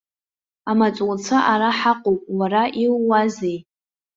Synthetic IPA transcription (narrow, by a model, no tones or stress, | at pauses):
amat͡sʼwt͡sʰaʔaɾaħaqʼopʼwaɾaʔilːazej